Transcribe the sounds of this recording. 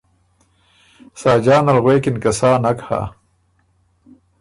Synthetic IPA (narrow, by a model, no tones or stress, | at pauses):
saːd͡ʑaːnɐlɣweːkinkɐsaːnɐkha̰ː